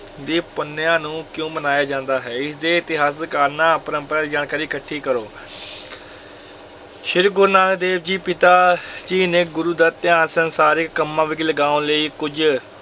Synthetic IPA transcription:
d̪eːpənːejãːnũːkjõːmənaːjaːd͡ʒãːnd̪aːɦɛːɪsd̪eːɪt̪ɪɦaːs̬kaːɾnãːpəɾə̃mpəɾaːiːd͡ʒaːɳkaːɾiːkəʈʰːiːkəɾoː | ʃɪɾɡʊɾnaːnd̪eːbd͡ʒiːpɪt̪aːd͡ʒiːneːɡʊɾuːd̪aːt̪ɪjaːnsənsaːɾɪkːəmːãːʋɪkiləɡaːõːləiːkʊd͡ʒ

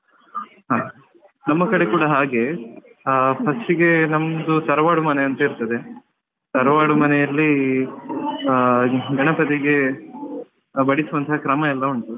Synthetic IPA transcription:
ɦaː | nɐmːɐkɐɽekuːɽɐɦaːɡe̞ | pʰɐsʈiɡe̞nɐmːɐd̪usɐɾʋaːɽumɐneɐnt̪ɐiɾt̪ɐd̪e̞ | sɐɾʋaːɽumɐnejɐlːi | ɡʱɐɳɐpɐt̪iɡe̞ | bɐɽisuʋɐnt̪ʰɐɦɐkɾɐmɐɛlːɐuɳʈu

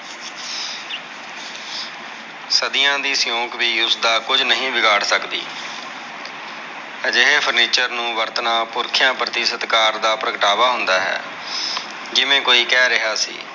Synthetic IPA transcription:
səd̪ijãːd̪iːsɪjõːkʋiːʊsd̪aːkʊd͡ʒnəɦĩːʋɪɡaːɽsəkd̪ḭː | d͡ʒɪɦeːpʰəɾniːt͡ʃəɾnũːʋəɾt̪nãːpʊɾkʰɪjãːpɾət̪ɪsət̪kaːɾd̪aːpɾəkəʈaːʋaːɦʊnd̪aːɦɛ̰ː | d͡ʒɪʋẽːkoːiːkɛːɾɪɦaːsḭː

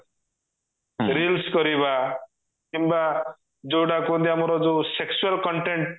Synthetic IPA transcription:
ɾilskɔɾiba | kimba | d͡ʒoɽakund̪iamɾɔd͡zoseksualkɔɳʈeɳʈ̚

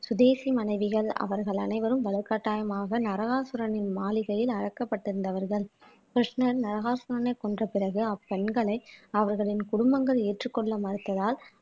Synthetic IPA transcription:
sʊðeːsimɐnɐɪʋɪɣɐɭɐ̰ʋɐɾɣɐɭɐ̰nɐɪʋɐɾɯmʋɐɭɐkːaːʈːaːjɐmaːɣɐnɐɾɐɣaːsʊɾɐnɪnmaːlɪɣɐjɪlɐɾɐkːɐpːɐʈːɪɾɯnd̪ɐʋɐɾɣɐɭ | kɾɐʂnɐɾnɐɾɐɣaːɾsʊɾɐnɐɪkːɔndrɐpɪɾɐɣɯɐpːɛɳɡɐɭɐɪɐʋɐɾɣɐɭɪnkʊɽʊmbɐŋɡɐɭeːʈrɯkːɔɭːɐmɐɾɯt̪ːɐðaːl

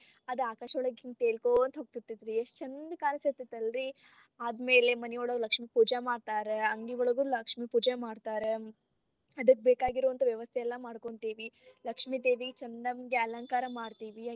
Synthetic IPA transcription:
ɐd̪aːkaːʃɐɭɐɡiŋt̪eːlkont̪ɦoɡ̚t̪it̪ːid̪ɾieʂt͡ʃɐnd̪kaːnɐset̪ːit̪ːɐlɾi | aːd̪me̞ːle̞mɐnɛjoːɭɐlɐkʂmipuːd͡ʒamaːɖt̪aːɾeɐŋɡiʋɔɭɐɡulɐkʂmipuːd͡ʒamaːɽt̪aːɾe | ɐd̪ɐk̚ːbeːkaːɡiɾoʋɐnt̪ɐʋjɐʋɐst̪ʰejɛlːɐmaːɽkoɳt̪iːʋilɐkʂmid̪eːʋiɡet͡ʃɐnd̪ɐmɡeɐlɐŋkaːɾɐmaːɽt̪iːʋi

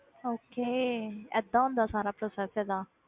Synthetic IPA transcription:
oːkeːɛ̰d̪aːɦõːnd̪aːsaːɾaːpɾoːsɛːsɛːd̪aː

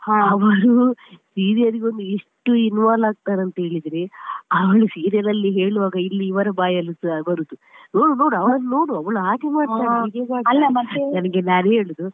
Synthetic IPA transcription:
ɐʋɐɾusiːɾijɐɾiɡeond̪ueʂʈːuinʋaːlaːɡ̚t̪aːɾɐnt̪ɐɦe̞ːɭid̪ɾeɐʋɐɭusiːɾijɐɾɐlːiɦe̞ːɭuʋaːɡɐilːiːʋɐɾɐbaːjɐlusubɐɾud̪uno̞ːɽuno̞ːɽuɐʋɐɭɐnːno̞ːɽuɐʋɐɭuɦaːɡemaːɽt̪aːiɡeɡaːɡɐlːɐmɐtenɐnɐɡenaːneːɭud̪u

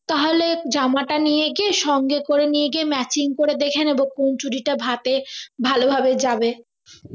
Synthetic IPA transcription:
t̪aɦoled͡ʑamaʈanijeɡeʃɔŋɡekoɾenieɡemɛt͡ɕiŋkoɾed̪ekʰeneboŋkont͡ɕuɖiʈabʱat̪ebʱalobʱabed͡ʑabe

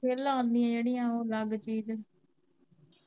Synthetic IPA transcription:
eːlaãːnd̪iːãːd͡ʒeːɽiːjãːoːləɡt͡ʃiːd͡ʒ

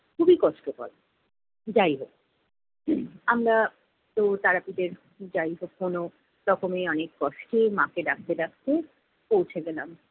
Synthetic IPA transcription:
kʰubikɔʃʈopɔ̰l | d͡ʑajɦok̚ | amɾa | t̪ot̪aɾapid̪eɾ | d͡ʑajɦokːono | ɾɔkʰomeɔnekːɔʃʈemãkedakʰt̪edakʰt̪e | powt͡ɕʰeɡɛlam

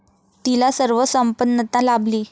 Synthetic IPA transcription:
t̪ilasəɾʋəsəmpənːət̪ãlabliː

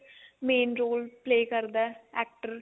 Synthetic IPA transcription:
meːnɾoːlpleːkɐɾd̪ɐæːk̚ʈɐɾ

